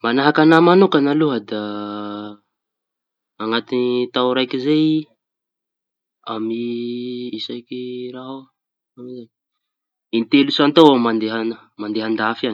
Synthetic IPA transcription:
manaɦakanamanukanaluɦad̪a | ŋat̪init̪awɾajkizej | ami | isajkiraɦa | amizan | int̪elusant̪awamand̪eɦan | mand̪eɦand̪afan

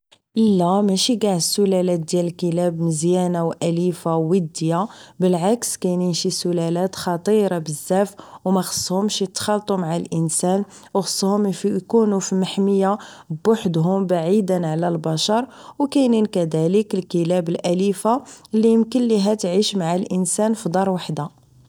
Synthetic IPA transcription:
ʔəlːæmæʃiɡaʕsːʊlælæt̪̚d̪jæləlkəlæbməzjænawʔælifawəd̪ːjabəlʕakskæjnənʃisʊlælæt̪xɑt̪ˤiɾˤɑbəzːæfwmæxə̥sˤːhʊmʃjət̪xɑlt̪ˤumaʕalʔənsæn | wxə̥sˤːhʊmfkunufiməħməjːabʊħd̪ɦʊmbaʕid̪ənʕalælbɑʃɑɾˤwkæjninkæd̪æləkəlkəlæbəlʔælifaəlːijəmkənliɦæt̪ʕiʃmaʕalʔənsænfid̪ˤɑɾˤwaħd̪a

